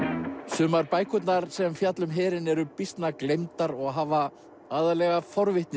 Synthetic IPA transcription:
sʏːmaɾpaːjkʰʏt̪naɾsɛmfjat̪lʏmɦɛːɾɪnɛɾʏpist̪naklejmt̪aɾɔɣɦaːva | aːðalɛɣafɔɾvɪht̪nɪ

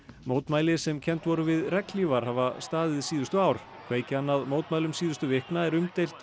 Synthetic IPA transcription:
moːwt̪maːjlɪsɛmcʰɛn̥t̪vɔɾʏvɪðrɛklivaɾ̥havast̪aːðɪðsiːðʏst̪ʏaːwɾ̥ | kʰveːjcɪanːaðmoːwt̪majlʏmsiːðʏst̪ʏvɪhknaɛɾʏmt̪ejlt̪

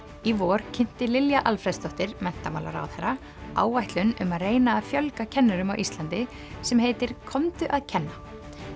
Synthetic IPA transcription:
ivɔːɾ̥cʰɪn̥t̪ɪlɪljaʔalfɾɛst̪ʰɔht̪ɪɾmɛn̥t̪amaːla̰ɾa̰wθeɾa | a̰ːwvajht̪lʏnʏmaðreːjnaːðfjœlkacʰɛnːʏɾʏmawʔist̪lant̪ɪ | sɛmhejt̪ɪɾ̥kʰɔmt̪ʏʔaðcʰɛnːa

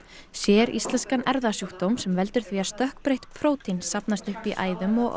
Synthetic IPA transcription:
sjɛːɾḭst̪lɛnskanɛɾðasjuhk̚t̪owmsɛmvɛl̪t̪ʏɾ̥θviast̪œhkpɾejht̪pʰɾoːwt̪insːapnast̪ʏhpiʔa̰ːjðʏmɔɣ

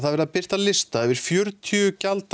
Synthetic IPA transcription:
θaðvɛɾðapɪr̥t̪aðlɪst̪aɛvɪɾ̥fjœɾt̪ʰʏʏcalt̪

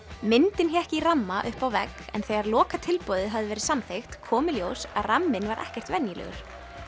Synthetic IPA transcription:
mɪnt̪ɪnçɛɛhcɪiramːaʔʏhpawvɛkɛ̰nθɛːɣaɾlɔːkat̪ʰɪlpɔːðɪɦavðɪvɛːɾɪsamθejxt̪kʰɔːmɪljoːwsaðramːɪnvaɾʔɛ̰hcɛr̥t̪vɛnjɪlɛ̰ɣʏ̰ɾ̥

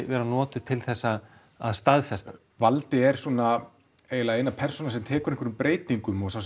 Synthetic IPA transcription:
vɛːɾanɔːt̪ʏt̪ʰɪlθɛsːa | aðst̪aðfɛst̪ḁ | valt̪ɪɛɾ̥suɔːna | eːjɪlaejnapʰɛɾr̥sɔnaɾ̥sɛmt̪ʰɛːkʏɾeŋkvʏɾʏmpɾeːjt̪iŋkʏmɔsaws

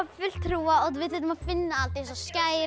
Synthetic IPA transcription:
fʏl̥t̪ʰɾuːaɔðvɪðθɛt̪ʏmafɪnːaalt̪isɔscaːjɾ

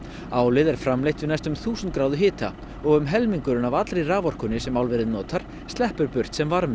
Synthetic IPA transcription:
aːwlɪðɛɾ̥fɾamlejht̪vɪnajst̪ʏmθuːsʏnt̪̚kɾaːwðʏɦɪːt̪ʰa̰ | ɔɣʏmɦɛlmiŋkʏɾʏnavat̪lɾejraːvɔr̥kʏnːɪsɛmawlvɛɾɪðnɔːt̪ʰaɾ̥ | st̪lɛhpʏɾpʏr̥t̪sɛmvaɾmɪ

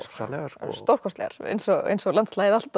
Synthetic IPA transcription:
a̰nɛst̪owr̥kʰɔst̪lɛ̰ɣa̰ɾ̥ḛjnsɔɣḛjnsɔɣlant̪slaːjɪðal̥t̪

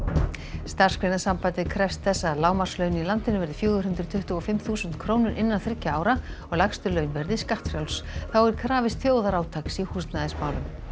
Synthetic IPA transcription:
st̪ar̥skɾejnasampajt̪ɪkʰɾɛfst̪θɛsːalaːwmar̥slœːɥnilant̪ɪnʏvɛɾðɪfjœːɣʏɦʏnt̪ɾʏt̪ʰʏht̪ʏɔfɪmθuːsʏnt̪kʰɾoːwnʏɾʔɪnːanθɾɪcːaaːwɾaɔɣlakst̪ʏlœɥnvɛɾðɪiskaht̪fɾjawlsθawɛɾ̥kʰɾaːvɪst̪θjoːwðaɾaːwt̪ʰaksihuːst̪naðɪsmaːwlʏm

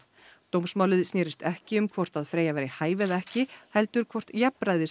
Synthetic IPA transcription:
t̪owmsmaːwlɪðsnɛːɾɪst̪ɛhcɪʏmkʰvɔr̥t̪aðfɾeːjavɛːɾɪhaːjvɛðɛhcɪhɛlt̪ʏɾ̥kʰvɔr̥t̪jɛpɾajðɪ

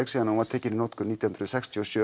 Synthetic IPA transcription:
ɛksiːðanaumaðt̪ʰɛːcɪninɔt̪kʏniːt̪jhnɾʏsɛkst̪ʰjiɔsjœː

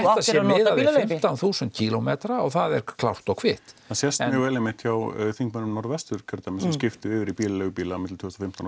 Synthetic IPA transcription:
asjɛɪːðaðɪɪmt̪anθuːsʏnt̪̚cʰiːlomɛːt̪ɾaɔɣθaðɛɾ̥kʰlawr̥t̪ɔwkʰvɪːht̪θasjɛst̪ɪvɛːlɛmɪht̪çawθiŋkmœnʏmnɔɾvɛst̪ʏɾ̥cʰœɾt̪amɪsɛmscɪft̪ɪɪːvɪɾipiːlalœɣʏpiːlaːmɪt̪lt̪ʰʏːst̪ɔfɪm̥t̪awn

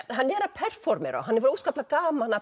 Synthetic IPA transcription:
ɦanːɛɾapʰɛr̥fɔɾmɛ̰ɾɔ̰ɦanːɛɾfɔɾuːskaplakaːmaanːa

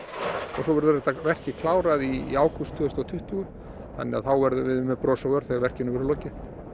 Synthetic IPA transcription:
ɔɣsɔvɛɾðʏɾɛht̪avɛr̥cɪkʰlaːwɾaðiaːwkʰust̪ʰːʏɣʏst̪ʰɔwt̪ʰʏht̪ʏɣʏ | θa̰nːɪaθawvɛɾðʏvɪðʏmːɛpɾɔːsaœɾ̥θɛɣavɛr̥cɪnʏmvɛɾʏlɔːcɪ

